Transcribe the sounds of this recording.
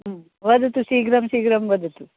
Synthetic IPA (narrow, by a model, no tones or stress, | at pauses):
ʋɐd̪ut̪usiːɡɾɐmsiːɡɾɐmʋɐd̪ut̪u